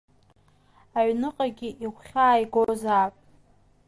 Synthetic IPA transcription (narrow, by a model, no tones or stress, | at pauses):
aɥnɨqʼaɡʲɪʔiʁʷχʲaːjɡozaːpʼ